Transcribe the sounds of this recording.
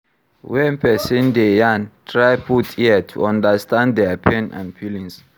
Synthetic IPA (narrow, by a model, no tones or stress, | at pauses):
wɛnpʰɛsĩndejãntʰɹajpʰutʰiatʰṵãndastʰãnddɛapʰɛ̃nã̰ndpʰilĩns